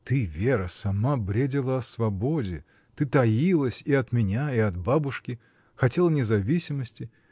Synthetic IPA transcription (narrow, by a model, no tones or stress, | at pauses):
t̪ɨvʲeɾəsɐmabɾʲedʲɪlˠəɐsvɐbodʲɪ̰ | t̪ɨt̪ɐjilˠəsʲiɐt̪mʲɪnʲaɪɐd̪babʊʂkʲɪ | xɐtʲelˠnʲɪzɐvʲisʲɪməsʲtʲɪ